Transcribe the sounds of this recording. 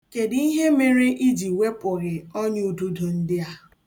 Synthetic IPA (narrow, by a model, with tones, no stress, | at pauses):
ke˨di˦ɦe˦me˨ɾe˦ʔi˦d͡ʒi˨we˦pʊ˨ɣɪ˨ɔ˦ɲ˦u˨du˦du˨n̩˦dɪ˦a˦